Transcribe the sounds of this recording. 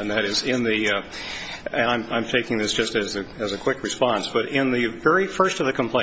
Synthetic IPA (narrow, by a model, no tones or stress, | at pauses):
ɨ̃nðɨɾɪzɪ̃nði | ɨ̃ãɪ̃mãɪ̃mtʰeɪkɪ̃ŋðɪsd̥ʒ̥ʌstɨzɨɨzɨkʰw̥ɪkɹɨspɑ̃nsb̥ʌɾɪ̃nðɨvɛɹifɜ˞stʌvðɨkʰm̩pʰl̥ẽ